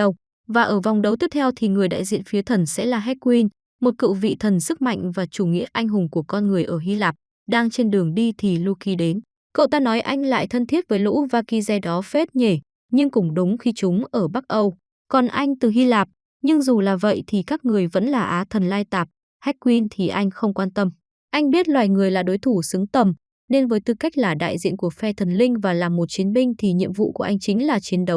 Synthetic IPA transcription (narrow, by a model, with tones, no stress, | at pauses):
ə˨˩w | vaː˨˩ʔəː˧˩va˨˩wŋ͡mɗə˨˧wt̪i˦˥ət̪ʰɛ˧wt̪ʰi˨˩ŋɨ˨˩əjɗa̰ː˧˨jzḭ˧˨ənfi˨˦ət̪ʰə˨˩nsɛ̰˧˥laː˨˩ɦɛ˦˥t̚kwi˧n | mo˨˩t̚kɨ̰˧˨wvḭ˧˨t̪ʰə˨˩nsɨ˦˥k̚ma̰˧˨jŋ̟vaː˨˩t͡ɕu˧˩ŋḭ˧˥ət̚ʔa˧jŋ̟ɦʊ˨˩ŋ͡mku˧˩əkɔ˧nŋɨ˨˩əjʔəː˧˩ɦi˧laː˨˩p̚ | ɗaː˧ŋt͡ɕe˧nɗɨ˨˩əŋɗi˧t̪ʰi˨˩lu˧ki˨˧ɗe˨˦n | ko̰˧˨wt̪aː˧nɔ˨˦jʔa˧jŋ̟la̰ː˧˨jt̪ʰə˧nt̪ʰi˦˥ət̚vəː˨˦jlṵ˧˥vaː˧ki˧zɛ˧˩ɗɔ˨˦fe˦˥t̚ɲe˧˩ | ɲɨ˧ŋkʊ̰˧˩ŋ͡mɗʊ˨˦ŋ͡mxi˧t͡ɕʊ˨˦ŋ͡mʔəː˧˩ɓa˦˥k̚ʔə˧w | kɔ˨˩nʔa˧jŋ̟t̪ɨ˨˩ɦi˧laː˨˩p̚ | ɲɨ˧ŋzu˨˩laː˨˩və̰˧˨jt̪ʰi˨˩kaː˦˥k̚ŋɨ˨˩əjvə̰˧˥nlaː˨˩ʔaː˨˦t̪ʰə˨˩nlaː˧jt̪aː˨˩p̚ | hɛ˦˥k̚kwi˧nt̪ʰi˨˩ʔa˧jŋ̟xə˧wŋ͡mkwaː˧nt̪ə˧m | ʔa˧jŋ̟ɓi˦˥ət̚lwaː˨˩jŋɨ˨˩əjlaː˨˩ɗo˨˦jt̪ʰu˧˩sɨ˨˦ŋt̪ə˨˩m | ne˧nvəː˨˦jt̪ɨ˨˩ka˦˥k̚laː˨˩ɗa̰ː˧˨jzḭ˧˨ənku˧˩əfɛ˧t̪ʰə˨˩nlï˧ŋ̟vaː˨˩laː˨˩mːo˨˩t̚t͡ɕi˨˦ənmï˧ŋ̟t̪ʰi˨˩ɲḭ˧əmvṵ˧˨ku˧˩ʔa˧jŋ̟t͡ɕï˨˦ŋ̟laː˨˩t͡ɕi˨˦ənɗə˨˦w